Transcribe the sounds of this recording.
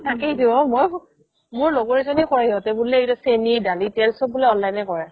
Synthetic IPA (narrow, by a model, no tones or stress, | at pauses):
takɛidibɔmoj | mʊɹloɡɔɹisɔnikɔɹɛɔtɛbʊlɛetɔsenidalitɛlsɔbʊlɛɔnlajnɛkɔɹɛ